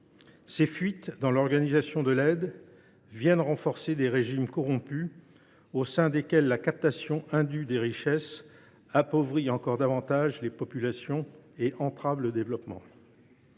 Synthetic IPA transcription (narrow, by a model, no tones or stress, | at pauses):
sefɥit̪d̪ɑ̃lɔʁɡanizasjɔ̃d̪əlɛd̪ | vjɛnʁɑ̃fɔʁsed̪eʁeʒimkɔʁɔ̃py | osɛ̃d̪ekʲɛlːakap̚t̪asjɔ̃ʔɛ̃d̪yd̪eʁiʃɛs | apɔvʁiɑ̃kɔʁd̪avɑ̃t̪aʒlepɔpylasjɔ̃eʔɑ̃t̪χavləd̪evlɔpmɑ̰̃